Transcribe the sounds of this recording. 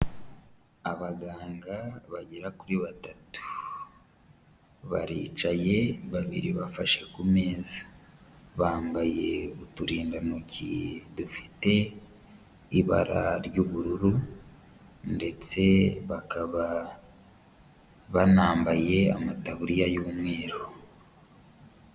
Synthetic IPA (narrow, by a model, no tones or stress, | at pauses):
aβaɡaːŋɡaβaɟeɾakuɾiβatatu̥ | βa̰ɾḭːt͡ʃaje̞βaβiɾiβafaʃe̞kume̞ːzḁ | βaːmbaje̞βutuɾiːndanocidufi̥te̞ | iβa̰ɾa̰ɾɟuːβuɾuɾu | nde̞t͡se̞βakaβa | βanaːmbaje̞a̰mataβuɾijajuːmŋe̞ːɾo